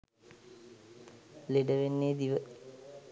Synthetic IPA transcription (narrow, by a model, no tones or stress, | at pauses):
leɖɐʋenːeːd̪iʋə